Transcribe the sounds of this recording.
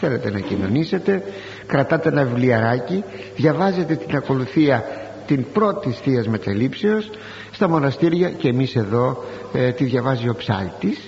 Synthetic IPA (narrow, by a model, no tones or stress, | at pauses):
θe̞le̞t̪e̞nɐcino̞̰nise̞t̪e̞ | kɾɐt̪ɐt̪enɐvivliɐɾɐci | ðʝɐvɐze̞t̪e̞t̪inɐko̞luθiɐ | t̪inpɾo̞t̪isθiɐzme̞t̪ɐlipse̞o̞s | st̪ɐmo̞nɐst̪iɾʝɐceemise̞ðo̞ | t̪iðʝɐvɐzio̞psɐ̰lt̪ːis